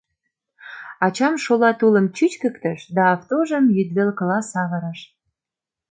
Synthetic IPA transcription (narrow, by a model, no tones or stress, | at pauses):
ɑt͡ɕɑmʃolɑt̪ulə̆mt͡ɕyt͡ɕkə̆kt̪ə̆ʃd̪ɑːft̪oʒəmjyd̪βelkəlɑsɑβəɾəʃ